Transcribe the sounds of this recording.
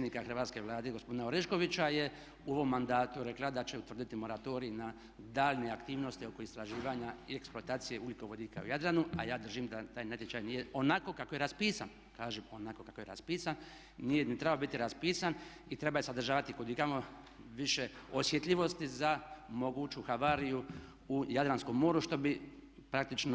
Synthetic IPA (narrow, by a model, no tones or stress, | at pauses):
ed̪nikaxr̩ʋaːt̪ske̞ʋlˠaːd̪e̞ɡospod̪inaoɾeʃko̞ʋit͡ʃaje̞ | uo̞ʋo̞mːand̪aːt̪uɾe̞klˠad̪at͡ʃe̞ut̪ʋr̩d̪it̪imo̞ɾat̪o̞ɾiːna | d̪aːʎne̞akt̪iːʋno̞st̪io̞ko̞ist̪ɾaʒiːʋaɲaieksplˠoat̪aːt̪sije̞ʔuljiko̞ʋo̞d̪iːka̰ṵjad̪ɾanuajaːd̪r̩ʒimd̪at̪aːjnat̪jet͡ʃajnijeo̞nako̞kakoje̞ɾaspiːsan | kaːʒemo̞nako̞kakojeɾa̰spiːsanː | ijenit̪ɾebabit̪iɾaspiːsan | it̪ɾe̞bajsad̪r̩ʒaːʋat̪ikod̪iɡɾamo | ʋiʃeosjet̪ʎʲiʋo̞st̪izamo̞ɡut͡ʃuxaʋaɾiju | ujad̪ɾansko̞mːo̞ːɾuʃt̪o̞bipɾak̚t̪it͡ʃno